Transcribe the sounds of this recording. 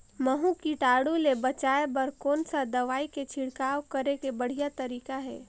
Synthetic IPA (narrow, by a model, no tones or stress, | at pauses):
məɦũkiʈaːɽulebət͡ʃaːebɐɾkɔːnsad̪ɐʋaːiket͡ʃʰɪɽkaːwkəɾekebəɽ̤ijat̪əɾiːkaɦɛ̰ː